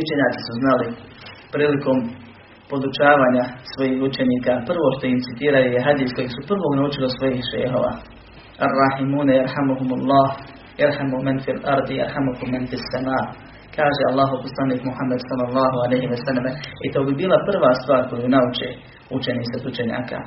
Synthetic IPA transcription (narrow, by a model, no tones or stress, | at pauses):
ut͡ʃe̞ɲaːsi̥suznalipɾiːliko̞ːm | po̞d̪ut͡ʃaːʋaːɲasʋo̞jiːɦut͡ʃe̞niːkaːpr̩ʋo̞ːʃt̪o̞imt̪sit̪iːɾajojeɦad̪iːsko̞jiːsupr̩ʋoːɡnaut͡ʃilisʋo̞jiːhʃḛjɦo̰ːʋa̰ː | arˤːɑħimuːnajaɾħamuɦumalˠːɑːh | jaɾħamumanfilaɾˤd̪ja̰ɾħamuhumːanfiasːamaːʔ | kaːʒealːaːɦoposlˠaniːkmuhamːad̪sɑlːɑlˠːɑːɦualejɦiʋɐsalːemeit̪oːbibiːlapr̩ʋaːst̪ʋaːɾko̞junaut͡ʃḛː | ut͡ʃeniːsad̪ut͡ʃe̞ɲa̰ːka̰ː